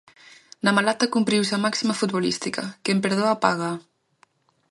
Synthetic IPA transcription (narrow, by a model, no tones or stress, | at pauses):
namalat̪akumpɾiwsamaksimafut̪̚bulḭst̪ika̰kempeɾð̞oapaɣa